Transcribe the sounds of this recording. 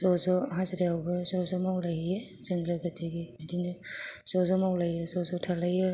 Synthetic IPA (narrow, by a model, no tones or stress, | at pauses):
sɔzɔɦasɾiawbɯsɔzɔmawlajez̥ɯŋɡlajɡatʰeɡibidinɯsɔzɔmawlajɯsɔzɔtʰalajɯ